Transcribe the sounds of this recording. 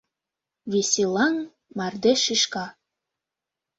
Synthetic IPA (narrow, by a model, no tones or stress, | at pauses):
βesʲilˠɑŋ | mɑrd̪eʃiʃkɑ